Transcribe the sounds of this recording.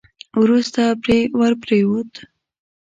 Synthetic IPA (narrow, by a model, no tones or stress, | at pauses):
wɾust̪apɾewəɾpɾewot̪